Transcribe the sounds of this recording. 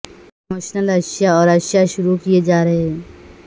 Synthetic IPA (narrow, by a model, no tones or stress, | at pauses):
moːʃnəlɐʃjaɔːɾɐʃjaʃʊɾukied͡ʒaːɾɐɦee